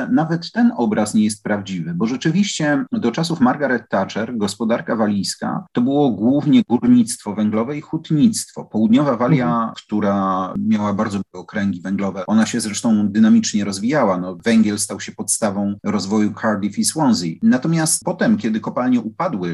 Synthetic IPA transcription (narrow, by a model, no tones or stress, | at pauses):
navɛt̪ːɛnɔbɾasɲɛjɛst̪̚pɾavd͡ʑivɘbɔʐɛt͡ʂɘvʲiɕt͡ɕɛd̪ɔt͡ʂasufmaɾɡaɾɛt̪ːat͡ʂɛɾɡɔspɔd̪aɾkavalʲijska̰t̪ɔbɘwɔɡwuvɲɛɡuɾɲit̪st̪fɔvɛŋɡlɔvɛixut̪ɲit̪st̪fɔpɔwud̪ɲɔvavalʲjakt̪uɾamʲjawabaɾd̪zɔbaɡɛɔkɾɛŋɡʲivɛŋɡlɔvɛɔnaɕɛzɾɛʂt̪ɔ̃w̃d̪ɘnamʲit͡ʂɲɛɾɔzvʲijawanɔvɛŋɡʲjɛlst̪awɕɛpɔt̪st̪avɔ̃w̃ɾɔzvɔjukʰaɾd̪ʲifiswɔnzinat̪ɔmʲjast̪pɔt̪ɛmkʲɛd̪ɘkɔpalɲɛʔupad̪wɘ